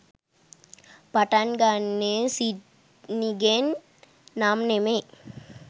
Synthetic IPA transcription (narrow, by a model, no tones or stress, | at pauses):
paʈanɡanːesi | niɡenː | aːmneme